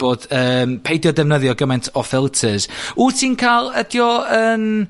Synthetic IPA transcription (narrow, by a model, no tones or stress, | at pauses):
b̥oːd̥əːmpʰejdjɔdɛvnəðjɔɡəmajntʰɔfɪlˠtʰəz̥utʰiːnkʰaːlˠədjɔəːn